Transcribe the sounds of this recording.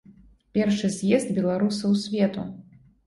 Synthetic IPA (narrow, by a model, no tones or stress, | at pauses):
pʲɛrʂɨzʲjɛzd̪̚bʲɛlˠaɾusɐwsʲvʲɛt̪ṵ